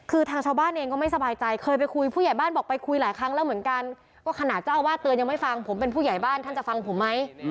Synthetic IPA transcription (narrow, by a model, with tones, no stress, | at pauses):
kʰɯː˧t̪ʰaː˧ŋt͡ɕʰaː˧wbaː˥˩nʔeː˧ŋkɔː˥˩ma˥˩jsa˧baː˧jt͡ɕa˧jkʰɤː˧jp̬a˧jkʰu˧jpʰuː˥˩ja˨˩jbaː˥˩nbɔː˨˩k̚pa˧jkʰu˧jlaː˩˦jkʰɾa˦˥ŋlɛ˦˥wmɯ˩˦ənka˧n | kɔː˥˩kʰa˧naː˨˩t̪̚t͡ɕa˥˩waː˥˩t̪ɯ˧nja˧ŋma˥˩jfa˧ŋpʰo˩˦mp̬e˧npʰuː˥˩ja˨˩jbaː˥˩nt̪ʰa˥˩t͡ɕa˨˩fa˧ŋpʰo˩˦mːa˦˥j